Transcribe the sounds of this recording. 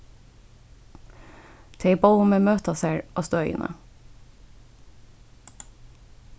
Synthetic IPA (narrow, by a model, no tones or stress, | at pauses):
t̪ʰeɪboʊmeːmøːt̪ɑseːɹʔɑːst̪oːœʏə̰nə̰